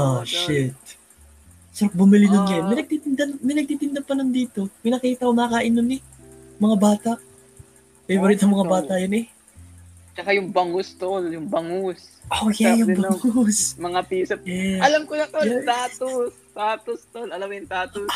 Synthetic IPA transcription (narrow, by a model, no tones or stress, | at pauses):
ʔaʃɪt̪̚ | sɐɾɐk̚bʊmɪlɪnʊnɲɐmɪnɐɡ̚t̪it̪ɪnd̪ɐnmɪnɐɡ̚t̪iːt̪ɪnd̪ɐpɐnʊnd̪iːt̪o̞mɪnɐkiːt̪ɐkomɐɐkɐʔɪnonɛ | mɐŋabaːt̪ɐʔ | ɛjbɐɾɪt̪ɐŋmɐŋabaːt̪ɐjɐnɛ | t͡ʃɐkajʊŋbɐŋʊst̪oljʊŋbɐŋʊsʔojajʊbɐŋosmɐŋapisɐpɛɐlɐmkonɐkot̪aːt̪ost̪aːt̪ost̪olɐlɐmkjʊŋt̪aːt̪o